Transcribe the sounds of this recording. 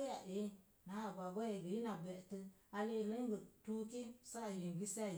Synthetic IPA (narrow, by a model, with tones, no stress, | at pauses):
ja˨ʔe˦ | na˨˦˨ɡʷa˨ɡʷa˦je˨ɡi˨ji˦na˨bɛ˨tɨ˧a˧le˦˨lɨ˦ŋ˦ɡə˨tu˦ki˦sa˦˨ji˨ŋɡi˦sa˦˨